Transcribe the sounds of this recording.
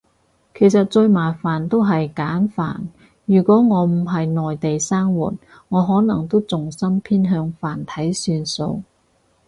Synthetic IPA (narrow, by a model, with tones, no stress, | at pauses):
kʰe˨˩jsɐ˨t̚t͡sɵ˧ɥmaː˨˩faː˨˩nt̪o˥wɦɐ˨jkaː˨˥nfa̰ː˨˩n | jyː˨˩kʷɔː˨˥ŋɔː˨˧m̩˨˩ɦɐ˨jnɔː˨jt̪e˨jsaː˥ŋwṵː˨˩t̚ | ŋɔː˨˧ɦɔː˨˥nɐ˨˩ŋt̪o˥wt͡sʊ˨ŋsɐ˥mpʰiː˥nɦœː˧ŋfaː˨˩nt̪ʰɐ˨˥jsyː˧nso̰˧w